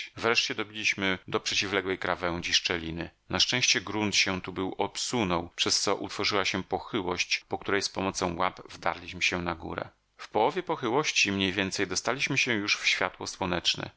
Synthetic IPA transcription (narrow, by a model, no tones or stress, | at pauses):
vɾɛʂt͡ɕɛd̪ɔbʲilʲiɕmɘd̪ɔpʂɛt͡ɕivlɛɡwɛjkɾavɛw̃d͡ʑiʂt͡ʂɛlʲinɘnaʂt͡ʂɛ̃w̃ɕt͡ɕɛɡɾunt̪ɕɛt̪ubɘwɔpsunɔwpʂɛst̪sɔʔut̪fɔʐɘwaɕɛpɔxɘwɔɕt͡ɕpɔkt̪uɾɛjspɔmɔt̪sɔ̃w̃wapvd̪a̰ɾlʲiɕmɘɕɛnaɡṵɾɛ̰ | fpɔwɔvʲjɛpɔxɘwɔɕt͡ɕimɲejvʲjɛnt̪sɛjd̪ɔst̪alʲiɕmɘɕɛ̃juʂfɕfʲjat̪wɔswɔnɛt͡ʂnɛ̰